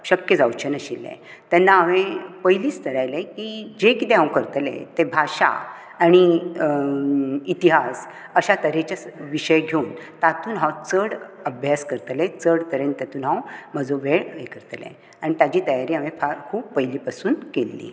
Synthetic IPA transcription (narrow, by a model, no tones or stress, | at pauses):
ɕəkjəd͡zawt͡ɕʰənəɕilːḛ̃t̪ɛnːaːʋepəjliːst̪əɾajlekid͡ʑekit̪eɦãwkəɾt̪lḛ̃t̪ebʱaɕa̰ | aɽ̃i | it̪iɦas | əɕat̪əɾet͡ɕaʋiɕəjɡʱeunt̪at̪uːnɦãwt͡səɽəbʱjaskəɾt̪let͡səɽt̪əɾent̪at̪uːnɦãwm̤əd͡zoʋeɭekəɾt̪lḛ̃ | aɽ̃it̪jad͡ʑiːt̪əjaɾiːaʋẽfaɾkʰuːbːəjliːpasuːnkelːḭː